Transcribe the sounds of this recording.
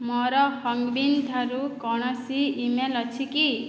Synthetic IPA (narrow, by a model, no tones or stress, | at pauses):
mɔɾɔhɔŋɡbind̪ʱaɾukɔɽ̃ɔsiːmelɔt͡ʃʰiki